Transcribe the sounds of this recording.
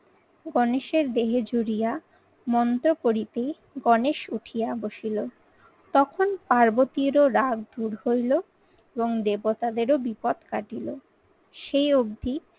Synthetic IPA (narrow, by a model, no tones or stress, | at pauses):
ɡɔneʃeɾd̪eɦed͡ʑoɾija | mɔnt̪ɾokoɾit̪e | ɡɔneʃuʈʰijaboʃilo | t̪ɔkʰonpaɾbot̪iɾoɾaɡd̪uɾhojlo | eboŋd̪ebot̪ad̪eɾobipɔd̪kaʈilo | ʃejoɡd̪ʱi